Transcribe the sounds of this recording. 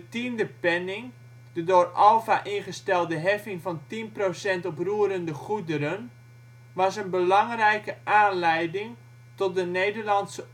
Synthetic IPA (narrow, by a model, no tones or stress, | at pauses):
ətindəpɛnɪŋ | d̥ədoːrʔɔlˠfaʔɪnχəstɛlˠdəɦɛfɪŋfɔntinprosɛntɔpruəɾəndəχudəɾən | ʋɑsənbəlɑŋrɛjkəʔaːnlɛjdɪŋ | tɔt̚dəneːdərlɑnsə